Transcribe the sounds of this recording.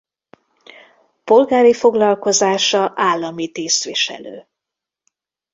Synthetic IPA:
po̞lɡaːɾifo̞ɡlɒlko̞zaːʃɒʔaːlːɒmit̪eːst̪ʋiʃɛ̰lø̰ː

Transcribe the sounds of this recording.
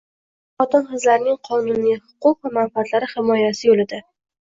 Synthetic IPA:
χɒt̪ɪnχɨzlaɾnɪŋqʰɒnʊnijhʊ̥qʊqvamanfat̪laɾɪhɪmɒjasɪjolɪd̪ɪ

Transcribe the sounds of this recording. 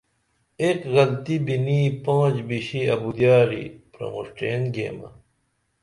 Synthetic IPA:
ekɣɐlt̪ibiniːpãːd͡ʑbiɕiɐbud̪jaːɾḭpɾɐ̰̃ŋṵʂʈeːnɡḛːmɐ̰

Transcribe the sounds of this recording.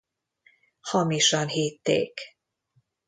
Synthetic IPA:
hɒmiʃɒnɦiːt̪ːḛːk

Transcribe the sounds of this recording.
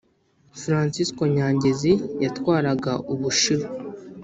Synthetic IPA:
fɾaːnsisko̞ɲaːɲɟezijatkwaːɾaɡaʔuβuʃi

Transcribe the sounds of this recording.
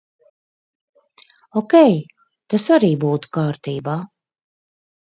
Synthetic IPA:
ɔkʲɛj | t̪asaɾiːbuːt̪u̥kaːɾt̪iːbaː

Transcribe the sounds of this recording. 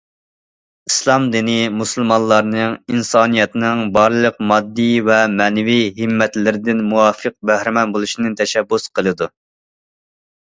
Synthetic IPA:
islˠɑmd̪inimusɨlˠmɑnlˠːɑɾnɨŋinsɑːnijɛt̪nɨŋbɑɾlˠəqmɑd̪ːivɛmɛːnɛviɦimːɛt̪lɪɾɪd̪ɪnmuwɑːfəq̚bæhɾɪmɛnbolˠuʃinɨt̪ʰɛʃɛbːusqʰəlˠɨd̪u

